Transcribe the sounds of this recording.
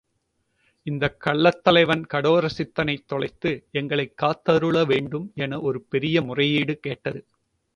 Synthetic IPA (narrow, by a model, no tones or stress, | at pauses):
ɪnd̪ɐkːɐɭːɐt̪ːɐlɐɪʋɐnkɐɽoːɾɐsɪt̪ːɐnɐɪt̪ːɔɭɐɪt̪ːɯɛŋɡɐɭɐɪkːaːt̪ːɐɾɯɭɐʋeːɳɖɯmɛnɐʔɔɾɯpɛɾɪjɐmʊrɐjiːɽɯkeːʈːɐðɯ